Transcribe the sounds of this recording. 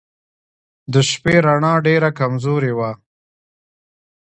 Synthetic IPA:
d̪əʃpeɾaɳɑɖeɾakamzoɾewa

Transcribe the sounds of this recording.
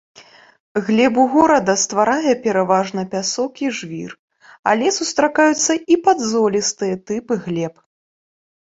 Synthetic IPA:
ɣlʲɛbuɣɔɾɐd̪ɐst̪vaɾajɛpʲɛɾavaʐnɐpʲasɔkiʐvʲḭr | a̰lʲɛsust̪ɾakajut̪sːɐipad̪zɔlʲist̪ɨjɛt̪ɨpɨɣlʲɛp

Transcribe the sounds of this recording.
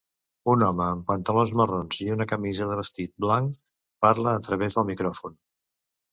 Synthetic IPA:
unɔməːmpənt̪əlonzməronziunəkəmizəðəβ̞əst̪it̪̚blaŋk | paɾləːt̪ɾəβezðəlˠmikɾɔfun

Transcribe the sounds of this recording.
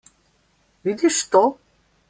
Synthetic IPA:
vid̪iʃt̪o

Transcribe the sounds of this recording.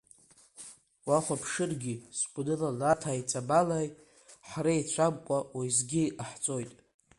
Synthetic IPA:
waχʷapʰʂɨrɡʲiskʷʼnɨlalatʰajt͡sʼabalaj | ħrajt͡ɕʷʰamkʷʼawajzɡʲiaħt͡sʷʼo̞jtʼ

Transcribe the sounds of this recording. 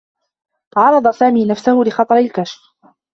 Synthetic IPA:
ʕɑɾˤɑd̪ˤɑsaːmiːnafsahʊlɪxɑt̪ˤɑɾˤɪlkaʃf

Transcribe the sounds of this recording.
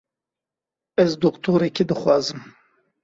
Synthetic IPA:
ɛzd̪okt̪ʰoːɾekʰed̪ɨxwɑːzɨm

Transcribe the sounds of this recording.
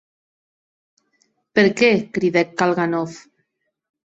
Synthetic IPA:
peɾkɛkɾiðɛkːalˠɣanɔf

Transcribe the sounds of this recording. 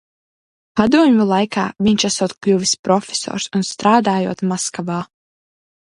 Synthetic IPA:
pad̪uɔmʲulˠajkaːvʲiɲʲt͡ʃasɔːt̪klʲuvʲispɾɔfʲe̥sɔ̰ːɾsunst̪ɾaːd̪aːjṵɔt̪maskavaː

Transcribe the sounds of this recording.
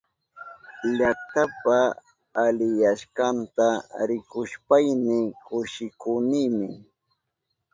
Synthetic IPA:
ʎakt̪apaː | lɪjaʃkant̪aɾɪkʊʃpajmɪkʊʃɪkʊniːmɪ

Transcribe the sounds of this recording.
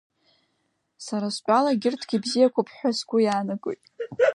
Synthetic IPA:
saɾaspʼalaɡʲɪrtʰɡʲibzijakʷʰapʰħʷᶣasɡʷʊjaːnaɡʼo̰jtʼ

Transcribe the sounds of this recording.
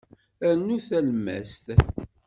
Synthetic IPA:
æɾnːuθælmæ̰st̪

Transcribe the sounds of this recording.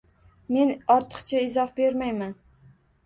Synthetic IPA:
me̞nɒɾt̪ʰɨ̥qt͡ʃʰaɪzɒhbe̞ɾmajman

